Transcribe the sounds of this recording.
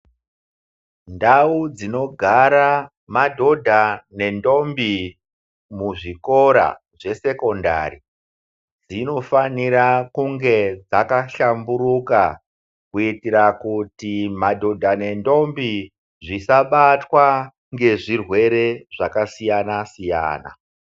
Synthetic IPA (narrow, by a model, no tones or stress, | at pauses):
ndaud͡zino̞ɡʱaɾa | madʱo̞dʱane̞ndo̞mbi | muʐiko̞ɾa̰ | ʐe̞se̞ko̞nda̰ri | d͡zino̞faniɾakuŋɡe̞d͡zakaɬamburuka̰ | kuitiɾakutimadʱo̞dʱane̞ndo̞mbi | ʐisaɓatwa | ŋɡe̞ʐirwe̞ɾe̞ʐakasijanasija̰ːna̰